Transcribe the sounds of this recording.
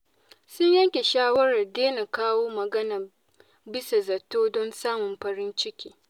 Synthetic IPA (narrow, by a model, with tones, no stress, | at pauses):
sʊ˦ɲjɐ˦ŋkʲe˨ʃaː˦wɐ˦ɾɐ˨rdeː˦na˨kaː˦woː˦mɐ˨ɡɐ˦nɐ˨ | bɪ˦sa˨zɐ˨tːoː˦dɔ˦nsaː˦mʊ˨mɸɐ˨ɾɪ˦nt͡ʃɪ˦kʲiː˦